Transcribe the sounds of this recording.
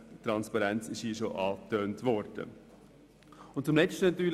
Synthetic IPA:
t̪ɾɑnspɑɾɛnt͡sɪʃiːʃoʔɑːtøːntʋɔɾd̥ə̰ | ʊnt̚t͡sʊmlɛt͡ʃtənɑt̪yːl

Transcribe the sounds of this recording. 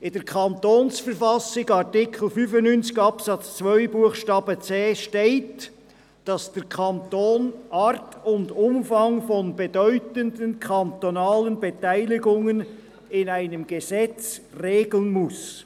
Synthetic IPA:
ɪnd̥ɛkʰɑntoːnsfəɾfɑsɪɡɑʁtɪkʰl̩fyːfʊnnynt͡sɪ̥ɡɑpsɑt͡st͡svœʏbuəχʃtɑːb̥ət͡seːʃteɪt | d̥ɑsd̥ɛʁkʰɑntoːnʔɑːɾtʰʊndʊmfɑŋfɔnbedœʏtəndənkʰɑntonɑːlənbetaɪlɪɡʊŋən | ɪnaɪnəmɡ̥əzɛt͡sreːɡl̩nmʊs

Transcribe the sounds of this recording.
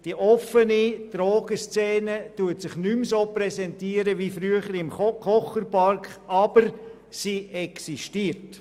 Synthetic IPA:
d̥iʔɔfənid̥ɾoːɡ̥əst͡sɛːnətuətsɪχnymsoːprɛsɛntiːəɾəʋifɾyəχəɾɪmχɔkʰɔχəɾpɑɾkχɑb̥əɾ | siʔɛksiʃtiːəɾt

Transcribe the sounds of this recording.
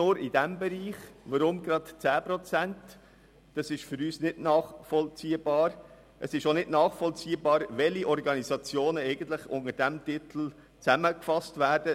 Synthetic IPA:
nʊːɾɪd̥æmbɛɾiːχʋəɾʊmɡɾɑtt͡sæːpɾɔt͡sænt | d̥ɑsɪʃfʏɾyːsnɪd̥nɑːχfɔlt͡siːəb̥ɑːɾ | ʔəsɪʃonɪdnɑːχfɔlt͡siːəbɑːɾʋɛliʔɔɾɡɑnizɑt͡sjoːnəɛɪɡən̩t̪lɪχʊ̰ŋəɾd̥æmtɪt̪l̩ | t͡sæməkfɑstʋæːɾd̥ə

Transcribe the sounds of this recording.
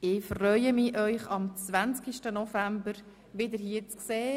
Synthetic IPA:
ɪfrœʏəmɪʔœʏχɑmt͡sʋænt͡skiʃtənɔfæmbəɾ | ʋɪd̪əɾhiːət͡skseː

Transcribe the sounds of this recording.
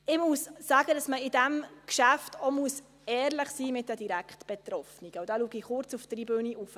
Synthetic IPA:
ɪmussaːɡədɑsməɪdæmkʃæftɔmuəs | ɛːɾləχsiːmɪt̚d̥ɛdiɾækχtb̥ɛt̪ɾɔfniɡ̥əwd̥aluəɡiχʊɾt͡suftribøːniʔuf

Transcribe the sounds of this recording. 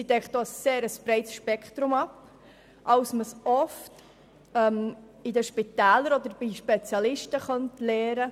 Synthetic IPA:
sidɛkχtd̥̪oːəsːeːɾəsb̥ɾɛɪtsʃpɛkχt̪ɾumɑp | ʔɑwsməsɔft | ɛm | idəʃpitæːləɾɔd̪əɾbiʃpet͡sjɑlɪʃtəχœntlɛːɾə

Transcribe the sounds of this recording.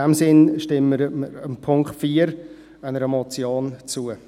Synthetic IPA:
ɛmsɪnʃtɪmːəɾəəmpʰʊŋkχtfiːəɾ | aɪnəɾəmɔt͡sjoːnt͡suːə

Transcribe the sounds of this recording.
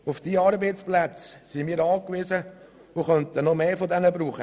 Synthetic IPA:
ʊfd̥iːɑːɾbeɪsplæt͡ssimiːɾɑːkʋizə | ʊχœntənɔmeːfod̪ɛnəbɾuːχə

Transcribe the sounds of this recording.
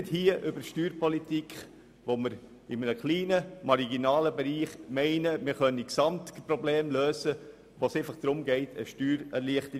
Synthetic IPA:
thiəʔʏbəʃtyːɾpɔlitikχ | ʋoməɾ | ɪmənəkliːnəmɑɾiɡinɑːləbɛɾiːχmɛɪnəmɪɾχœnːiksɑmtpɾobleːmløːzə | ʋosɛɪfɑχd̥ɾʊmɡɛɪtʰə̰ʃtyːɾɛɾliəχtə

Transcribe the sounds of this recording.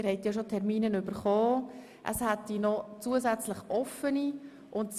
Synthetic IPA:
ɾhɛɪt̪jɑʃotʰɛɾmiːnənʏbəɾχɔː | ʔə̰shæt̪inɔt͡suəzɛt͡sləχʔɔfəni | ʔʊnt

